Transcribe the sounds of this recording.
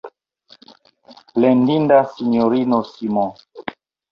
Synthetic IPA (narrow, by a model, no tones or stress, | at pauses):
lendindasinoɾinosimɔ̃